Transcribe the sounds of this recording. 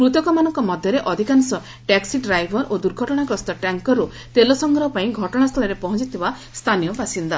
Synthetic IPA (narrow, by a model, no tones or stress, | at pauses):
pɾut̪ɔkɔmanɔŋkɔmɔd̪ʱjɔɾeʔɔd̪ʱikansɔ | ʈaksiɖɾajbʱɔɾʔod̪uɾɡʱɔʈɔɽ̃akɔst̪ʰɔʈaŋkɔɾːu | t̪elɔsɔŋɡɾɔɦɔpaĩɡʱɔʈɔɽ̃ast̪ʰɔlɔɾepɔɦɔ̃t͡ʃit̪ʰiba | st̪ʰanijɔbasind̪a